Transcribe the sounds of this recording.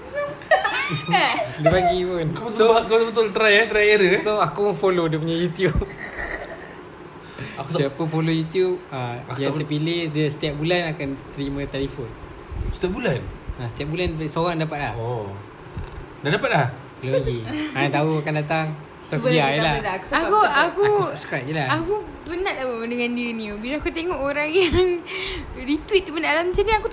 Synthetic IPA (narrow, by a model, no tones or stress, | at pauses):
dəpaɡipunsot̪obət̪ʊlt̪ɾajaʔt̪ɾajeɾəsoakufolodiəp̬uɲajut̪jup̚ | ksiapəfolojut̪jup̚ajaŋəpilɪhdiəsə̥t̪iaʔ̚bulanakant̪əɾimə̃t̪elifɔn | sət̪iaʔ̚bulanasət̪iap̚bulansoɣaŋdapat̪̚laho | dadapat̪̚lah | kəloloɡiant̪auakandat̪̬aŋ | saiajəlaku̥sakuakusabskɾap̚jəlahaku | bənaʔahbəədəŋãndiinibilaakut̪eŋɔʔoɾaŋjaŋ | rit̪wit̪̚dibənalamət͡ʃaniaku